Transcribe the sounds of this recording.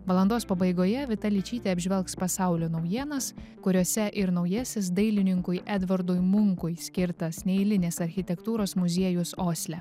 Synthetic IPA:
ʋɐlˠɐnd̪oːspɐbɐɪɡoːjɛʋʲɪt̪ɐlʲɪt͡ʃʲiːt̪ʲeːɐbʲʒʲʋʲɛlˠkspɐsɑˑʊlʲoːnɒʊjiɛnɐskʊɾʲoːsʲɛʔɪɾnɒʊjɛsʲɪs̬d̪ɐɪlʲɪnʲɪŋkʊɪʔɛd̪ʋɐɾd̪ʊjmʊŋkʊjsʲkʲɪɾt̪ɐsnʲɛɪlʲɪnʲeːsɐɾʲxʲɪt̪ʲɛkt̪uːɾoːsmʊzʲiɛjʊsoːsʲlʲɛ

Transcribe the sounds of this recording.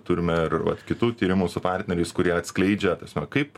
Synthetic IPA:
t̪ʊɾʲɪmʲɛɪrʋɐ̰t̪kʲɪt̪uːt̪ʲiːɾʲɪmuːsʊpɑrʲt̪ʲnʲɛɾʲɛɪskʊɾʲiɛɐt̪sklʲɛɪd͡ʒʲɛt̪ɐsʲmʲɛkɐɪp

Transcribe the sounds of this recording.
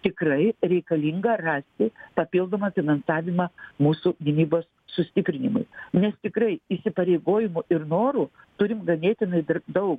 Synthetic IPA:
t̪ʲɪkrɐɪɾʲɛɪkɐlʲiŋɡɐrɑːsʲt̪ʲɪpɐpʲilˠd̪oːmɐfʲɪnɐnsɑːʋʲɪmɐmuːsʊɡʲɪnʲiːboːsːʊsʲt̪ʲɪpʲɾʲɪnʲɪmʊ̰ɪnʲɛst̪ʲɪkɾɐɪisʲɪpɐɾʲɛɪɡoːjɪmʊʔɪrnoːɾu | t̪ʊɾʲɪmɡɐnʲeːt̪ʲɪnɐɪd̪d̪ɐʊk

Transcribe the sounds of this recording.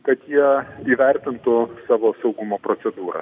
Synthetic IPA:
kɐt̪jiɛiːʋʲɛrʲt̪ʲɪnt̪ʊsɑːʋoːsɐʊɡʊmoːpɾoːt͡s̪ʲɛd̪uːɾɐ̰

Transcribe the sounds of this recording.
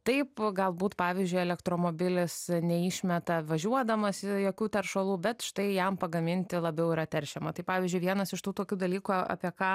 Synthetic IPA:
t̪ɐɪpɡɐlˠbuːt̪pɑːʋʲɪzʲd͡ʒʲʊɪɛlʲɛkt̪ɾoːmoːbʲɪlʲɪsnʲɛiʃʲmʲɛt̪ɐʋɐʒʲuɔd̪ɐmɐsɪjoːkʲuːt̪ʲɛrʃɐlˠuːbʲɛt̪ʃɪ̥t̪ɐɪjɛmpɐɡɐmʲɪnʲt̪ʲɪlˠɐbʲɛʊiɾɐt̪ʲɛɾʲʃʲɛmɐt̪ɐɪpɑːʋʲizʲd͡ʒʲʊɪʋʲiɛnɐsɪʃt̪uːt̪oːkʲuːd̪ɐlʲiːkuːɐ̰pʲiɛkɑː

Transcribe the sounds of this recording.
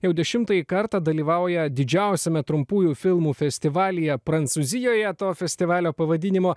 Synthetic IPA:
jɛʊd̪ʲɛʃʲɪmt̪ɐjikɐɾt̪ɐd̪ɐlʲiːʋɑʊjɛd̪ʲɪd͡ʒʲæˑʊsʲɛmʲɛt̪ɾʊmpuːjuːfʲɪlˠmuːfʲɛsʲt̪ʲɪʋɑːlʲɪjɛpɾɐnt̪suːzʲɪjoːjɛt̪oːfʲɛsʲt̪ʲɪʋɑːlʲoːpɐʋɐd̪ʲɪnʲɪmoː

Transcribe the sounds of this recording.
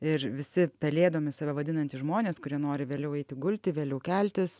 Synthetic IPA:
ɪɾʋʲɪsʲɪpʲɛlʲeːd̪oːmʲɪsɐʋʲɛʋɐd̪ʲɪnɐnʲt̪ʲɪʒmoːnʲeːskʊɾʲiɛnoːɾʲɪʋʲeːlʲɛʊɛɪt̪ʲɪɡʊlʲt̪ʲɪʋʲeːlʲɛʊkʲɛlʲt̪ʲɪs

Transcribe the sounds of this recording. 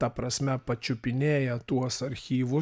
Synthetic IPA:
t̪ɐpɾɐsʲmʲɛpɐt͡ʃʲʊpʲɪnʲeːjɛt̪uɔsɐɾʲxʲiːʋʊ

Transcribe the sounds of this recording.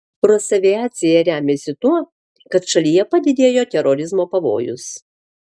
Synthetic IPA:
ɾoːsɐʋʲɪjæːt̪sʲɪjɛɾʲæːmʲesʲɪt̪uɔ | kɐt̪ʃɐlʲijɛpɐd̪ʲɪd̪ʲeːjoːt̪ʲɛɾoɾʲɪzmoːpɐʋo̰ːjʊ̰s

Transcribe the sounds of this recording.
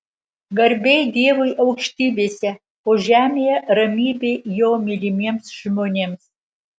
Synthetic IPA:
ɡɐɾʲbʲɛjd̪ʲeːʋʊɪʔɐʊkʃʲt̪ʲiːbʲeːsʲɛ | oːʒʲæːmʲejɛɾɐmʲiːbʲeːjoːmʲilʲɪmʲiɛmsʒ̥moːnʲeːms

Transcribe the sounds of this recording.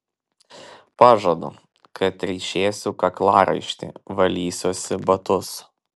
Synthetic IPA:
pɑːʒod̪ʊ̰ | kɐt̪ɾʲiʃʲeːsʲukɐklˠɑːɾɐ̰ɪʃʲt̪ʲɪ̰ʋɐlʲiːsʲoːsʲɪbɐt̪ʊs

